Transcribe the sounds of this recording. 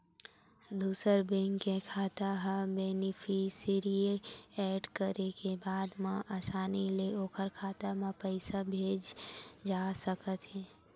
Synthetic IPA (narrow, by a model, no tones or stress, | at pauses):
d̪uːsəɾbẽŋkekʰaːt̪aɦabeːnipʰisɪɾieɛːɖkəɾekebaːd̪mãʔaːsaːnileoːkʰəɾkʰaːt̪amãpəɪsabʱeːd͡ʒd͡ʒaːsəkət̪ɦɛː